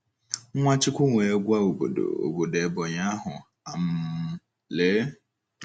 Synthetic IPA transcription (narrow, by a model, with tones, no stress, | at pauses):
ŋʷa˦t͡ʃɪ˦kʷʊ˦ŋʷe˨e˦ɡʷa˦o˨bo̰˨do̰˨o̰˨bo˨de˨bɔ˨ɲa˦a˦ɦʊ˨ | a˨m̩˦ | le˨˦